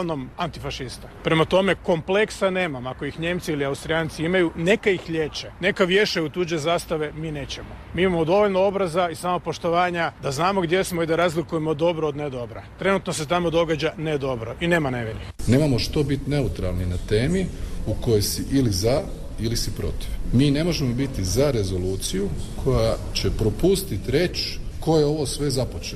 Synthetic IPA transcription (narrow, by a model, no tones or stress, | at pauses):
no̞mant̪ifaʃist̪apɾe̞mat̪o̞me̞ko̞mple̞ksaneːmamako̞jixɲe̞ːmt̪siiliaust̪ɾiaːnt̪siimajune̞kaixʎe̞ːt͡ʃene̞kaʋje̞ʃajut̪uːd͡ʒe̞zaːst̪aʋe̞miːne̞ːt͡ɕe̞momiːimamo̞d̪o̞ʋo̞ʎnoo̞bɾazaisaːmopo̞ʃt̪o̞ʋaːɲad̪aznaːmo̞ɡd̪je̞smo̞id̪aɾazlikujemod̪o̞bɾoːd̪ned̪o̞bɾat̪ɾe̞nut̪no̞s̬e̞t̪amo̞d̪o̞ɡad͡ʑane̞d̪o̞bɾo̞ʔine̞ːmaneʋiɾine̞ːmamo̞ʃt̪o̞bit̪ne̞ut̪ɾalˠninat̪e̞ːmiuko̞jojsiʔiliza | ilisipɾo̞̰t̪iʋmiːne̞mo̞ʒe̞mo̞bit̪izaɾe̞zo̞luːt̪sijukʰo̞ja | t͡ɕe̞pɾo̞pust̪it̪ɾe̞t͡ɕko̞jeo̞ʋo̞sʋe̞zapot͡ʃe